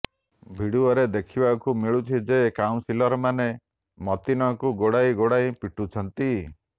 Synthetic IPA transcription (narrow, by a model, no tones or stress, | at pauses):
bʱiɽuɔɾed̪ekʰibakumiɭut̪ʰid͡ʒekawũnsilɔɾɔmane | mɔt̪inɔkuɡoɽajɡoɽaipiʈut͡ʃʰɔnt̪i